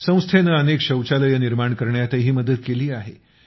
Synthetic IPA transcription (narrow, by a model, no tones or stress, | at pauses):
sə̃w̃st̪ʰenəənekɕəwt͡ɕaləjəniɾmaɳkəɾɳjat̪əɦiːməd̪əd̪̚keliːaɦe